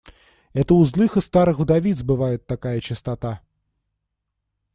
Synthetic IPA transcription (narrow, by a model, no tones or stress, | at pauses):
ɛt̪ɐwzlˠɨxɨst̪aɾɨxd̪avʲid̪sbɨvajɛt̪ːakajɐt͡ʃist̪at̪a